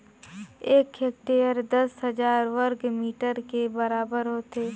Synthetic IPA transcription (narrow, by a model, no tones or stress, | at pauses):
eːkːeːk̚ʈeːəɾd̪əsɦəd͡ʒaːɾʋəɾɡmiːʈəɾkebəɾaːbəɾɦoːt̪eː